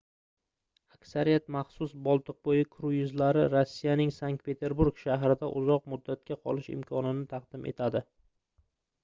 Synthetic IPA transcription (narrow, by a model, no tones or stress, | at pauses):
akʲsaɾijat̪maχsʊsbɒlˠt̪ʰɨq̚bojɪkʰɾʊjɪzlaɾɪɾosːijanɪŋsaŋk̚t̪̚pʰe̞t̪ʰe̞ɾbuɾɡʃaɦɾɪd̪aʔʊzɒq̚mʊd̪ːat̪̚kʲaqʰɒlˠɪʃɪ̰mkʰɒnɪnɪt̪ʰɑqd̪̥ɪmʔe̞̰t̪ʰad̪ɪ